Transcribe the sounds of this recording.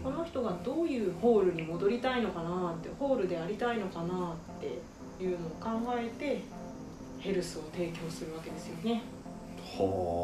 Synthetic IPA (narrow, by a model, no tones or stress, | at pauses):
ko̞no̞çi̥t̪o̞ɡad̪o̞ːjɯ̟ːho̞ːɾɯ̟ɲ̟imo̞d̪o̞ɾʲit̪aino̞kanat̪ːeho̞ːɾɯ̟d̪e̞aɾʲit̪aino̞kanat̪ːe̞ | jɯ̟ːno̞ːkãŋɡae̞t̪e̞ | he̞ɾɯ̟sɨo̞t̪e̞ːkʲo̞ːsɨɾɯ̟β̞ake̞d̪e̞sɨjo̞ne̞ | ho